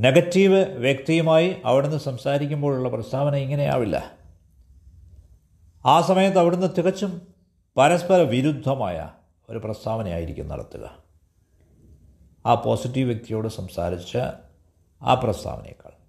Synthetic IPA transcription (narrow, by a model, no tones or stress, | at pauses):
ne̞ɡɐtːiːʋɨʋjekt̪ijɐmaːjiʔɐʋiɽenːɨsɐmsaːɾikʲːumboːɭuɭːɐprɐst̪ʰaːʋɐnɐiŋːɐneja̰ːʋilːɐ̰ | aːsɐmɐjɐt̪ːɐʋiɽenːɨt̪ʰiɣɐt͡ɕːum | pɐɾɐspɐɾɐʋiɾud̪ʱːɐmaːjɐ̰ | o̞ɾuprɐst̪ʰaːʋɐnɐja̰ːjiɾikʲːṵnːɐ̰ɽɐ̰t̪ːuɣɐ̰ | aːpoːsitːiʋʋjɐk̚t̪ijo̞ːɽɨsɐmsa̰ːɾit͡ɕːɨ̰ | a̰ːprɐst̪ʰa̰ːʋɐnḛj̰kːa̰ːɭ